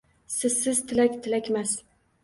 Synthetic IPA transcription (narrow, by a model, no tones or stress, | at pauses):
sɪzsɪz̥t̪ʰɪlækʲt̪ʰɪlækʲmas